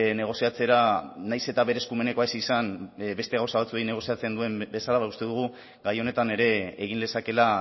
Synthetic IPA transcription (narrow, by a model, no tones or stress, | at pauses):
ne̞ɣ̞o̞siat͡se̞ɾanajse̞t̪aβe̞ɾe̞skume̞ne̞ko̞aesisanβe̞st̪eawsaβat͡suejne̞ɣ̞o̞siat͡se̞nd̪ue̞mbe̞salaβaust̪e̞ðuɣ̞u | ɡajo̞ne̞t̪ane̞ɾe̞ːɣ̞inle̞sake̞la